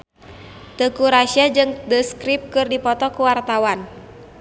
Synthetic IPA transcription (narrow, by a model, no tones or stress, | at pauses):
t̪əkuɾasiad͡ʒɨŋdəskɾip̚kɨrdipɔt̪ɔkuwart̪awan